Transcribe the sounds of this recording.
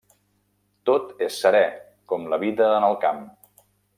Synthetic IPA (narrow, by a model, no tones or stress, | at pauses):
t̪ot̪esːəɾɛ | kɔmləβiðəːnəlˠkam